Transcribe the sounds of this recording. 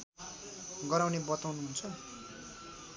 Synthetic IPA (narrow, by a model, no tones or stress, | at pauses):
ɡʌɾawnebʌt̪awnuɦunt͡sʰʌ